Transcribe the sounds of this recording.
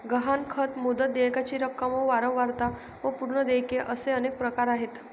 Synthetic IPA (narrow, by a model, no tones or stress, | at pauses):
ɡəɦankʰət̪mud̪ət̪̚d̪ejkat͡ɕiːɾəkːəməʋaɾə̃wʋaɾt̪a | ʋəpuɾɳəd̪ejkeʔəseənek̚pɾəkaɾaɦet̪